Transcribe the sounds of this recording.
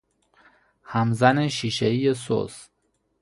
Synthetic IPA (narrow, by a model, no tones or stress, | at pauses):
hæmzæneʃiːʃeijeso̰s